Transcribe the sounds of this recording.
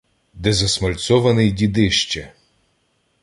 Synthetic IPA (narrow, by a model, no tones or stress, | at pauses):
d̪ɛzɐsmɐlʲt̪sɔʋɐnɪjdʲid̪ɪʃt͡ʃɛ